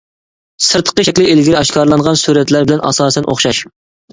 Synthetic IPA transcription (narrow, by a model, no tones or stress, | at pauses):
sɨɾt̪ʰə̥qəʃɛkʲlɪelɡʲiɾɪɑʃkʰɑɾlˠɑnʁɑnsuɾɛt̪læɾbɪlɛnʔɑ̰sɑːsɛnʔo̰χʃɑʃ